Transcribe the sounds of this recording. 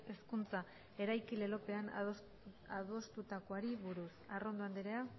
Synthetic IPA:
e̞skunt͡sa | e̞ɾajkile̞lo̞pe̞an | aðo̞st̪ut̪ako̞aɾiβuɾusaro̞nd̪oand̪iɾea

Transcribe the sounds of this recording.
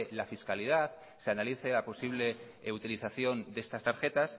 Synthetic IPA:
lafiskalið̞aθ | seanaliθe̞lapo̞siβ̞le̞ | ut̪iliθaθjo̞nd̪e̞st̪ast̪aɾxe̞t̪as

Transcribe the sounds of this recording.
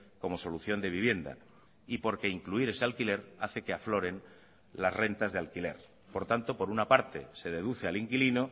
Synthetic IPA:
ko̞mo̞so̞luθjo̞nd̪e̞βiβ̞je̞nd̪a̰ | ipo̞ɾke̞iŋkluiɾe̞sealkile̞ɾaθe̞ke̞aflo̞ɾe̞n | lazre̞nt̪azðealkile̞̰ɾ | po̞ɾt̪ant̪o̞po̞ɾunapaɾt̪e̞se̞ð̞e̞ð̞uθe̞aliŋkilino̞

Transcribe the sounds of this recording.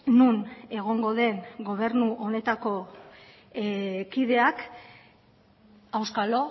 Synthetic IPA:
nune̞ɣ̞o̞ŋɡo̞ðe̞ŋɡo̞β̞e̞ɾnuʔo̞ne̞t̪ako̞ | kiðe̞ak | awskalo̞

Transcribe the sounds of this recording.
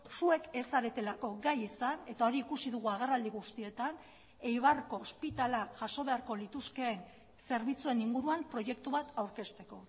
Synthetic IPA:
sue̞kesaɾe̞t̪e̞lako̞ɡajisane̞t̪ao̞ɾiːkusiðuɣ̞uaɣ̞e̞rald̪iɣust̪ie̞t̪an | e̞jβ̞arko̞spit̪alaʝaso̞β̞e̞aɾko̞lit̪uske̞ːn | se̞ɾβit͡sue̞niŋɡuɾuampɾo̞je̞kt̪uβat̪awɾke̞st̪e̞ko̞

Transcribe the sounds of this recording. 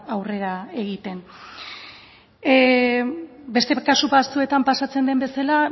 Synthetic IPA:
awre̞ɾae̞ɣ̞it̪e̞n | be̞st̪e̞kasupast͡sue̞t̪ampasat͡se̞nd̪e̞mbe̞sala

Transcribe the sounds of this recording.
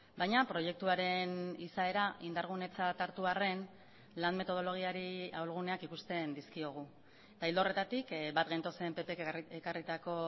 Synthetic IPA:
bajɲapɾo̞je̞k̚t̪uaɾe̞nisae̞ɾaʔind̪aɾɣ̞une̞t͡sat̪aɾt̪uare̞n | lanme̞t̪o̞ð̞o̞lo̞ɣ̞iaɾiawlɣ̞une̞akikust̪e̞nd̪iskio̞ɣ̞u | et̪aild̪o̞re̞t̪at̪ikbat̪̚ɣajnt̪o̞se̞mpe̞pekekarit̪ako̞

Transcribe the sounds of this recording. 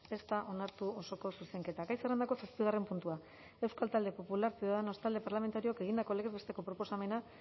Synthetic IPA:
e̞st̪aʔo̞naɾt̪uo̞so̞ko̞suse̞ŋke̞t̪aɡajserend̪ako̞sekt̪ioɣ̞are̞mpunt̪ua | e̞wskalt̪ald̪e̞po̞pulaɾsiuðaðeno̞st̪ald̪e̞paɾlame̞nt̪aɾio̞ke̞ɣ̞ind̪ako̞le̞ɣezβe̞st̪e̞ko̞pɾo̞po̞same̞na

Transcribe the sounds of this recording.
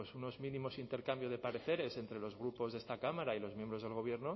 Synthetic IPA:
esuno̞zmĩnĩmo̞sint̪e̞ɾkambjo̞ð̞e̞paɾe̞θe̞ɾe̞se̞nt̪ɾe̞lo̞zɣ̞ɾupo̞zðe̞st̪akamaɾailo̞zmjembɾo̞zðelɣ̞o̞β̞je̞ɾno

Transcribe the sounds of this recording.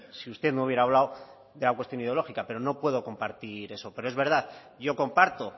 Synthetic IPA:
siust̪e̞ðnouβjeɾaːβlaw | ðe̞lakwest̪jo̞niðelo̞xikape̞ɾo̞no̞pwe̞ð̞o̞ko̞mpaɾt̪iɾe̞so̞pe̞ɾo̞ezβe̞ɾð̞að | ɟ͡ʝo̞ko̞mpaɾt̪o

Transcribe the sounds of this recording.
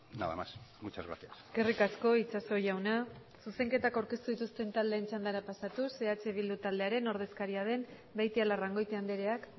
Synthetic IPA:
naða̰masmut͡ʃazɣɾa̰θiasɡ̥e̞rikasko̞it͡ʃaso̞ʝawna | suse̞ŋke̞t̪akawɾke̞st̪uðit̪ust̪e̞nt̪ald̪eːnt͡ʃand̪aɾapasat̪use̞at͡ʃe̞β̞ild̪ut̪ald̪e̞aɾe̞no̞ɾð̞e̞skaɾiað̞e̞m | bajt̪ialaraŋɡo̞jt̪eand̪eɾe̞ak

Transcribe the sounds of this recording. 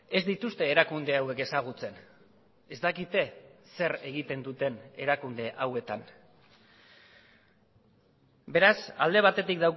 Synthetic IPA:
e̞zd̪it̪ust̪e̞ːɾakund̪e̞awe̞ke̞saɣ̞ut͡se̞n | e̞zd̪akit̪e̞se̞ɾe̞ɣit̪e̞nd̪ut̪e̞ne̞ɾakund̪e̞ʔawe̞t̪an | be̞ɾasa̰ld̪e̞β̞at̪e̞t̪ikd̪aw

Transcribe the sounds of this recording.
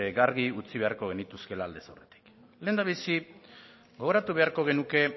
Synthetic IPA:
ɡaɾɣiut͡siβe̞aɾko̞ɣe̞nit̪uske̞laːld̪e̞sawre̞t̪i̥k | le̞ːnd̪aβ̞isi | ɡo̞ɣo̞ɾat̪uβe̞aɾko̞ɣ̞e̞nuke̞

